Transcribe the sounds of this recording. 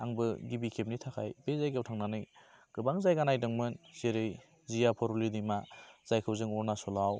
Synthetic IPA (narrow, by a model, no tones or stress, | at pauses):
aŋbɯɡibikʰep̚nitʰakʰa̰jbezajɡawtʰaŋnanɯjɡ̥ɯbaŋzajɡanajdɯŋmɯnzeɾɯj | zijapʰɔɾulidimaz̥ajkʰɯwzɯŋɔɾnasɔlaw